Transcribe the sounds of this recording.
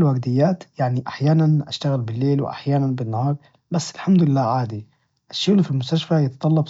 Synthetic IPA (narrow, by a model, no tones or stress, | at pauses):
lwaɡd̪ɪjːaːt̪jaʕniʔaħjaːnanʔa̰ʃt̪aɣɪlbɪlːeːlwɪ̰ʔa̰ħjaːnanbɪnːahɑːɾˤ | basːɪlħamd̪ʊɪlːaːʕaːd̪i | ʔaʃːuɣlfilmʊst̪aʃfajɪt̪ɑt̪ˤɑlːɑb